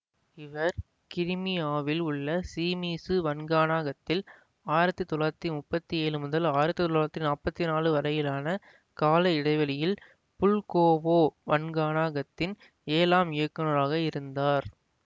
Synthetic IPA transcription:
ɪʋɐɾ | kɪɾɪmɪaːʋɪlʊɭːɐsiːmiːsɯʋɐnɡaːnaːɣɐt̪ːɪl | aːjɪɾɐt̪ːɯt̪ɔɭaːt̪ːimʊpːɐt̪ːieːɻɯmʊðɐlaːjɪɾɐt̪ːɯt̪ɔlaɐt̪ːinaːpɐt̪ːinaːlɯʋɐɾɐjɪlaːnɐ | kaːlɐɪɽɐɪʋɐlɪjɪl | pʊlkoːʋoːʋɐnɡaːnaːɣɐt̪ːɪn | eːlaːmɪjɐkːɐnɐɾaːɣɐɪɾɯnd̪aːɾ

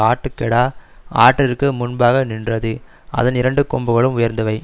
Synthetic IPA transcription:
aːʈːɯkːɛɽaːaːʈrɪrkɯmʊnbaːɣɐnɪndrɐðɯ | ɐ̰ðɐnɪɾɐɳɖɯkɔmbɯɣɐɭɯmʊjɐɾnd̪ɐʋɐɪ

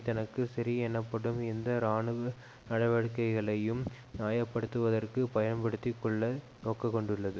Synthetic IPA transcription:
t̪ɐnɐkːɯsɐɾiɛnːɐpːɐɽɯmɪnd̪ɐɾaːɳɯʋɐ | nɐɽɐʋɐɻkːɐɪɣɐɭɐjɯm | naːjɐpːɐɽɯt̪ːɯʋɐðɐrkɯpɐjɐnpɐɽɯt̪ːɪkːɔɭːɐ | noːkɐkːɔɳɖɯɭːɐðɯ

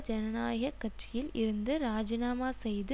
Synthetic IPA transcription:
d͡ʒɐnɐnaːjɐɣɐkːɐʈ̚t͡ʃːɪjɪlɪɾɯnd̪ɯɾaːd͡ʒɪnaːmaːsɛjðɯ

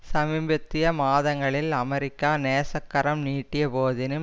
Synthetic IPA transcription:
sɐmɪmbɐt̪ːɪjɐmaːðɐŋɡɐɭɪlɐmɛɾɪkːaːneːsɐkːɐɾɐmniːʈːɪjɐpoːðɪnɯ

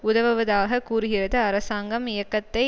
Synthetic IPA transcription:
ʊðɐʋɐʋɐðaːɣɐkuːrɯɣɪrɐðɯɐɾɐsaːŋɡɐmɪjɐkːɐt̪ːɐɪ

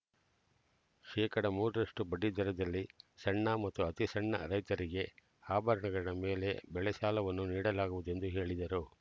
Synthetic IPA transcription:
ʃɛːkɐɽɐmuːɾɐɾɐʂʈubɐɖːid̪ɐɾɐd̪ɐlːisɐɳːɐmɐt̪ːuɐt̪isɐɳːɐ̰ɾɐjt̪ɐɾiɡe̞ | aːbʱɐɾɐɳɐɡɐɽɐme̞ːle̞̰bɛɭɛʃaːlɐʋɐnːuniːɽɐlaːɡuʋud̪ue̞nd̪uɦe̞ːɭid̪ɐɾu

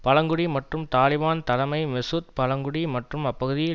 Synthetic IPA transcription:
pɐlɐŋɡɯɽimɐʈrɯmt̪aːlɪʋaːnt̪ɐlɐmɐɪmɪsut̪̚pɐɭɐŋɡɯɽimɐʈrɯmɐpːɐɣɯðɪjɪ

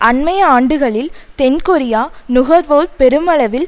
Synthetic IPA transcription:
ʔɐnmɐjɐaːɳɖɯɣɐɭɪlt̪ɛnkɔɾɪjaːnʊɣɐɾʋoːɾpɛɾɯmɐɭɐʋɪl

